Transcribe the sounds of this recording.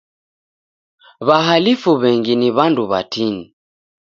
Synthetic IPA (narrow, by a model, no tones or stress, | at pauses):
βaɦalifuβɛŋɡiniβanduβatini